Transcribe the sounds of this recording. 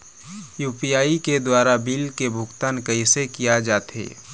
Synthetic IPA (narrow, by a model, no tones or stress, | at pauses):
juːpijaːiked̪waːɾabilkebʱʊkt̪aːnkəisekijad͡ʒaːt̪ḛː